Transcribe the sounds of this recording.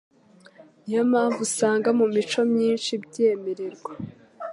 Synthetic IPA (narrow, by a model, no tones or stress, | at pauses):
jamaːɱvusaːŋɡamumit͡ʃo̞mɲiːnʃibɟeːme̞ɾeɾɡwa